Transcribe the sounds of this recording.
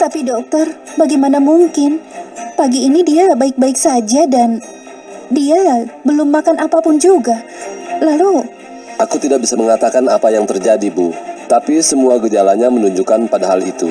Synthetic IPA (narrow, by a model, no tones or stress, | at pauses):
t̪apidɔk̚t̪ɔrbaɡajmanamuŋkɪnpaɡiːnidiabaɪk̚baɪksad͡ʒadan | diabəlʊmːakanʔapapʊnd͡ʒuɡa | lalu | ʔakut̪idak̚bisaməŋat̪akanapajaŋt̪ərd͡ʒadibuht̪apisəmuaɡəd͡ʒalaɲamənuɲd͡ʒukanpadaɦalit̪ṵ